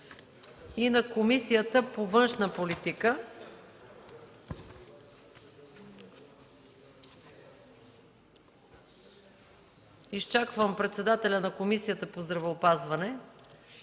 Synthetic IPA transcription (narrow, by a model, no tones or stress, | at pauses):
inɐkomisijət̪əpovɤnʃnəpolit̪ikə | ist͡ʃakvəmpɾɛt̪sɛd̪at̪ɛlʲənɐkomisijət̪əpozd̪ɾɐvɛopazvɐnɛ